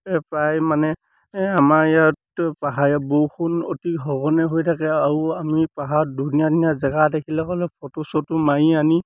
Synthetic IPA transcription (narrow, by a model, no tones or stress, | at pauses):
ɛpɹajmanɛ | amajatpaɦajɛbowxʰunotikɦɔɡɔnɛɦojtʰakɛauamipaɦadunijadiniazɛɡadekʰilɛkɔlɛpʰɔtɔsɔtumaiani